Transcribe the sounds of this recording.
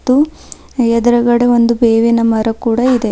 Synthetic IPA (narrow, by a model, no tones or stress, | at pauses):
t̪ːu | ɛd̪ɐɾɐɡɐɽeo̞nd̪ubeːʋinɐmɐɾɐkuːɽɐid̪e